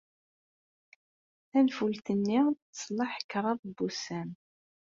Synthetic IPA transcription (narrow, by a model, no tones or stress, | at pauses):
θænfult̪ənːiʁsˤlˤɑħə̥kːɾˤɑðˤbusæn